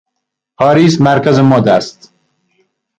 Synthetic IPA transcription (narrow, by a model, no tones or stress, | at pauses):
pʰɒːɾiːsmæɾkæzemɒːd̪æst̪